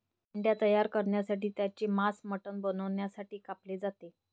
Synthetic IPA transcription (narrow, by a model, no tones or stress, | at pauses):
iɳɖjat̪əjaɾkəɾɳjasaʈiːt̪jat͡ɕeːmasməʈənbənəʋɳjasaʈiːkapled͡zat̪e